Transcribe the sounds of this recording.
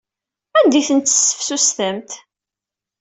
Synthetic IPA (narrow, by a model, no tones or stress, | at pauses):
ænd̪iθənt̪ːə̥sːə̥fsust̪əmt̪